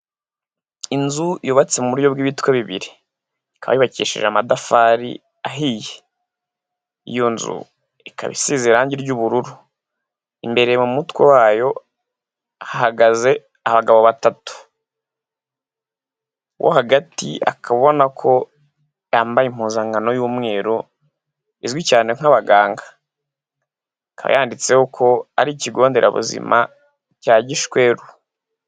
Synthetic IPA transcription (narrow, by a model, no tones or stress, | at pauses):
inzujoβat͡semuuɾujobɡiːβitweβiβḭɾi | kaβa̰jiβacḭːʃḭʒamadafaɾḭ | aɦiːje | ḭjo̞nzṵ | ika̰βḭsiːzeɾaɲɟiɾɟuβuɾuɾu | imbe̞ɾe̞jemumutkwewaːjo̞ | haɦaɡaze̞ | aβaɡaβoβatatu̥ | wʔo̰ɦaɡatḭa̰kʰaβo̞nakʰo̞ | jaːmbajim̥huːnzaŋɡano̞juːmŋe̞ːɾo | izwicaːneŋ̥aβaɡaːŋɡḁ | kaβa̰jaːndit͡se̞hokʰo̞aɾiːciɡo̞ːnde̞ɾa̰βṵzḭmʔa̰ | caːɟiʃkwe̞ɾu